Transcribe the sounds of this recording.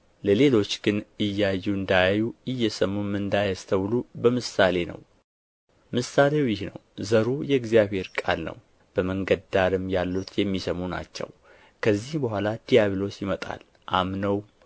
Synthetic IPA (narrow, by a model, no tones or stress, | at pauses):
ləle̞lo̞t͡ʃːɡ̥ɨnɨjːajːuɨnd̪ajajuɨjːɛsəmːumɨnd̪ajast̪ʰəwlubəmɨsale̞nə̰w | mɨsale̞wjɪhnə̰wzəɾujɛɡzijaβhe̞ɾkʼa̰lnə̰w | b̥əməŋɡəd̪aɾɨmjalːut̪ʰjɛmːisəmuna̰t͡ʃːɛ̰w | kʰəzːihbəɦʷalad̪̥ijaβilo̞t͡ʃːjɪmət̪ʼa̰l | ʔamnəw